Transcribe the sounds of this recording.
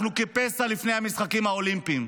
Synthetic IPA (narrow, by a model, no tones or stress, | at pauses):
nukepesalifnejhamisχakimhaolimpim